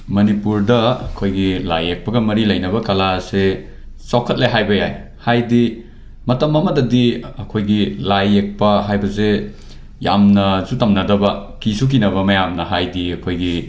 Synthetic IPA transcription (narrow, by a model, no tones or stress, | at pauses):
mɐnipuɾdɐɐkʰojɡila̰jek̚pɐɡɐmɐɾilɐjnɐbɐkɐlase | sakʰɐt̚lejɦajbɐja̰j | hajdi | mɐtɐmɐmɐdɐdiɐkʰojɡilajek̚pɐɦajbɐze | jamnɐzutɐmnɐdɐbɐkisuk̬inɐβɐmɐjamnɐɦajdiɐkʰojɡi